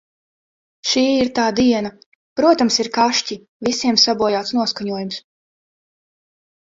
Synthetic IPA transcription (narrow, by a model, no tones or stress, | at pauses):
ʃiːiɾt̪aːd̪iɛna | pɾuɔt̪amsiɾkaʃci | visiɛmsabuɔjaːt̪snuɔskaɲuɔjums